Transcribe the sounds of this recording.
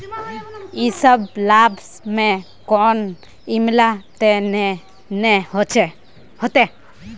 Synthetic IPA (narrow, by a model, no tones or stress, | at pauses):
isəblabs | me | kɔn | imlat̪en | nehɔt͡ʃe | hɔt̪e